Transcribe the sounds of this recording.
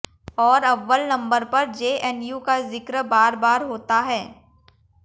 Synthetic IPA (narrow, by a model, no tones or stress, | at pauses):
ɔːɾɐʋːəlnɐ̃mbəɾpɐɾd͡ʒeːʔɛnjuːkazɪkɾbaːɾbaːɾɦoːt̪aɦɛː